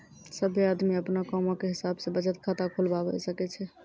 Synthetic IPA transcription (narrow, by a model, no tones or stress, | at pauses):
səbʱjead̪miəpnakɔmokeɦisabsẽbət͡ʃət̪kʰat̪akʰolbabɛ̰səkɛt͡ʃʰɛ